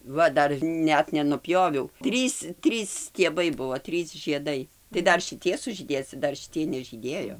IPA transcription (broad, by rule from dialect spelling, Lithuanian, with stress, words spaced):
ˈʋɐ ˈdɐr ˈnʲɛt nʲɛnʊˈpʲjoːʋʲɛʊ ˈtʲrʲiːs ˈtʲrʲiːs sʲtʲiɛˈbɐɪ ˈbʊʋoː ˈtʲrʲiːs ʒʲiɛˈdɐɪ tɐɪ ˈdɐr ʃʲɪˈtʲiɛ sʊʒʲiːˈdʲeːs t͡sɐ ˈdɐr ʃʲɪˈtʲiɛj nʲɛʒʲiːˈdʲeːjoː